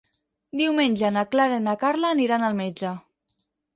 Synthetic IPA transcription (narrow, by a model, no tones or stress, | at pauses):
d̪iwmenʲʒanaklaɾenakaɾlaːniɾanalˠmed͡ʒa